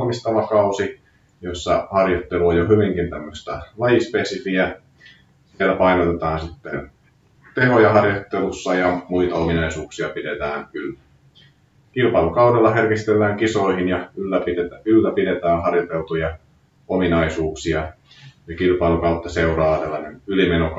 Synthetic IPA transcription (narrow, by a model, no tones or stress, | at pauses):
mist̪ɑʋɑkɑusi | josːɑ̰hɑrjot̪ːeluojjohyʋiŋkint̪æmːøst̪ɑlɑjispesifiæ | selæpɑinot̪et̪ɑːnsit̪ːḛn | t̪ehojɑhɑrjot̪ːelusːɑjɑmuit̪ɑominɑisuːksiɑpidet̪æːnylːæ | kilpɑilukɑudelːɑherkist̪elːæːŋkisoihinjɑylːæpidet̪æylːæpidet̪æːnhɑrjot̪elt̪ujɑ | ominɑisuːksiɑ | jɑkilpɑilukɑut̪ːɑseurɑːtsælːɑnenylimenok